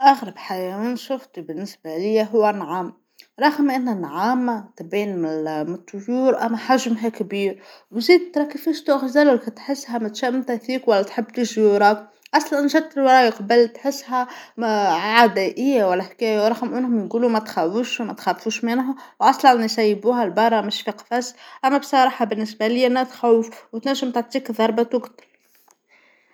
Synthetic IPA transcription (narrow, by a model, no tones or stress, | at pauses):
ʔɑɣɾˤɑbħajæwiːnʃʊft̪ibɪnːɪsbalɪjːaɦʊwːænʕaːm | ɾˤɑɣmʔɪnhænʕaːmat̪beːnmɪlmɨt̪ˤːʊjuːɾʔæmːæħaʒmɦakbiːɾwziːd̪̚t̪ɾˤɑkifiʃt̪uʔxzælʊkat̪ħɪsːhæmæt̪ʃæʔmt̪æθiːkwælːæt̪ħɪbːt̪ɪʒbuɾˤɑːk | ʔɑsˤlænʒæd̪̚t̪ːɪlwɾˤɑːjqbəlt̪ħɪsːɦæ | ʕad̪æʔɪjːawælːæħkæːjawɾˤɑxmʔʊnhʊmnɡuːlumæt̪xæwuʃmæt̪xæfuːʃmɪnɦʊwʔɑsˤlɑnːsæjːbuːɦælbɑrˤːɑmɪʃfiqfæsʔæmːæbsˤɑɾˤɑːħɑbɪnːɪsbælɪjːnːæt̪xæwfwt̪næʒːəmt̪aʕt̪ˤiːkðˤɑɾˤbɑt̪wʊɡt̪ɑ̥ɾ